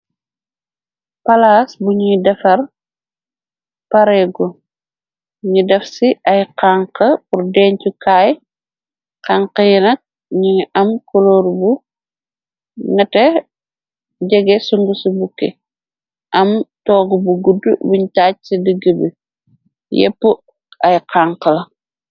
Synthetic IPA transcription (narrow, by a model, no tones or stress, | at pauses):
palaːsbuɲiŋdɛfɐr | paɾɛɡɔ | ɲudɛfsiʔɐjqaŋqɐpuɾdɛːɲcukaːj | qaŋqɐjɛnɐk̚ | ɲiŋiʔɐmkɔloɾbu | nɐtɛ | ɟɛɡɛsuŋɡusubukːɛ̰ | ʔɐmtɔːɡubuɡudːubuɲtaːc̚sidəɡəbḭ | jḛpːu | ajqaŋkɐl